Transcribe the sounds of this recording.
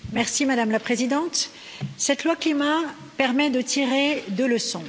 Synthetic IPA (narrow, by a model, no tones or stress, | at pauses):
mɛʁsimad̪amlapχezid̪ɑ̃t̪ | sɛt̪lwaklima | pɛʁmɛd̪ət̪ʰiʁed̪ələsɔ̃